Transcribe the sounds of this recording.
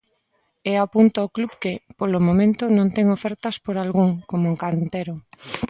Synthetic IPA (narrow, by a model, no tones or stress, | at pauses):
eapunt̪ooklubkepolomõmẽnt̪ʊnõnt̪ɛŋofɛɾt̪ɐspoɾalɣuŋkomoŋkant̪eɾo